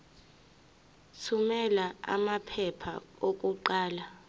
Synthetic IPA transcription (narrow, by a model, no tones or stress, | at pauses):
t͡sʰumɛlaa̰mapʰɛpʰa̰ok̬ʼuǃaːla